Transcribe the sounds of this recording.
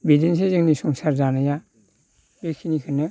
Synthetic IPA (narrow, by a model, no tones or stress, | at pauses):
bidins̬ezɯŋnisɔŋsaɾzanaja | bekʰinikʰɯnɯ